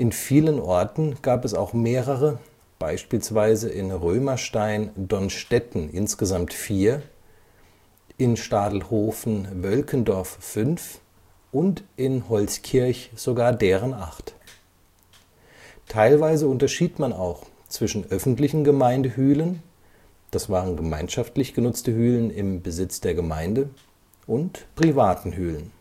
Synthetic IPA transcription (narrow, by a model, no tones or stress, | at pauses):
ʔɪnfiːlənʔɔɐtn̩ɡ̥aːpɛsa̰ʊxmeːʁəʁə | b̥aɪʃpiːlsv̥aɪzəʔɪnʁøːmɐʃtaɪndɔnʃtɛtn̩ʔɪ̰nsɡ̥əzamtfiːɐ | ʔɪnʃtaːdl̩hoːfn̩vœlkəndɔɐfːʏnf | ʔʊntʔɪnhɔlskʰɪɐçz̥oɡaːɐdeːʁənʔa̰ʁt | tʰaɪlvaɪzəʊntɐʃiːtmanaʊx | t͡sv̥ɪʃn̩ʔœfn̩tlɪçn̩ɡəmaɪndəhyːlən | d̥asv̥aːʁənɡəmaɪnʃaftlɪçɡ̥ənʊt͡stəhyːlənɪmbəzɪt͡sd̥eːɐɡəma̰ɪndə | ʔʊntpʁ̥ivaːtn̩hyːlən